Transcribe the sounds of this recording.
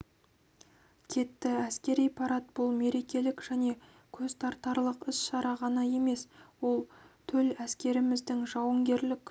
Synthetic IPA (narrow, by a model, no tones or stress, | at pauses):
kʲʰe̞t̪ːɪæskʲe̞ɾijpʰɑɾɑt̪̚b̥ʊlˠme̞ɾe̞kʲe̞lɪkʒ̥æne̞ | kʲʰɵz̥t̪ʰɑɾt̪ɑɾlˠəqɪsʃɑɾɑʁɑnɑje̞me̞swo̞lˠt̪ʰɵlæskʲe̞ɾɪmɪzd̪ɪŋʒɑwəŋɡʲe̞ɾlɪkʲ